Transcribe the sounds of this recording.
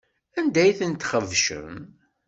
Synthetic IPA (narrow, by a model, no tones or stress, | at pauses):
ænd̪æjθənt̪χəvʃə̰m